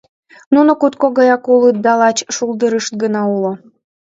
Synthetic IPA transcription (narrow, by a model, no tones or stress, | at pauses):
nunokut̪koɣɑjɑkulɯt̪̚d̪ɑlɑt͡ɕʃulˠd̪əɾɯʃt̪̚ɡənɑulo